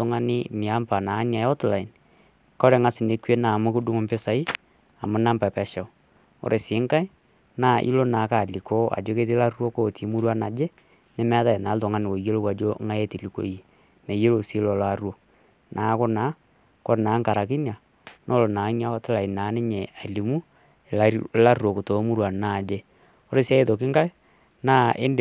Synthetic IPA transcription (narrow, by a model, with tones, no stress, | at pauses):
tʊ˨˦ŋa˦nɪ̰˦ni˨a˦mpa˨na˨˦nja˨jɔ˦tla˨i˨n | kɔ˦ɾe˨ŋa˦sɪ˨ne˨˦kwe˦na˨mʊ˦ko˦du˦ŋo˦mpe˦sa˨i˦ | a˨mʊ˦na˦mpa˨pɛ˨ʃa˨ | o̰˨ɾʔe˨sɪ˨˦ŋka˦ | naː˦ʔḭ˦lo˦na˨˦ka˨li˨ko˦a̰˨d͡ʒo˦ke˦t̬i˦la˦ɾo˦ko˦ti˨˦mu˦ɾwa˦na˨d͡ʒe˦ | ne˦m˦a˦ða˦e˨na˨˦lto˨ŋa˦nɪ˨wo˨je˦lo˦wa˨d͡ʒo˦ŋa˦je˦ti˨li˨ko̰˨˦ji˨ | mɛ˨je˦lo˨si˨˦lɔ˨la˨ɾwo˦ | nʔaː˨˦ko˦na˨˦ | ko˦ɾnaː˨˦ŋka˨ɾa˨k̬i˦n˦a˨ | nʔo˦lo˨naː˨˦ŋ˦a˦tɪ˦la˨i˨na˨˦nɪ˦ɲɛ˨a˨li˨mu˦˨˦ | la˦ro˨ko˨to˨˦mu˦ɾwa˨naː˦˨d͡ʒe˦ | o˦ɾe˨si˦a˦e˦ðo˨k̬ɪ˦ŋka˦j | naː˦ʔḛ˦nd